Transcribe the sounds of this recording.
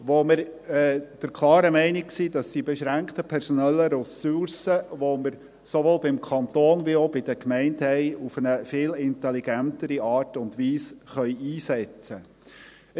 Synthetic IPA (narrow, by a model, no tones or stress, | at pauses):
ʋoməɾɛːd̥əɾkʰlˠɑːɾəmɛɪnɪk̚ksiːdɑsd̥ibɛʃɾæŋkt̪əpʰɛɾsɔnɛlːəɾɔsuɾsəʋoməɾ | soʋoːlbɪmkʰɑnt̪oːnʋiobɪd̥̪əkmɛɪnthɛɪufənəfɪːlɪntɛliɡæntəɾiɑːrtʊndʋiːsχœʏiːsɛt͡sə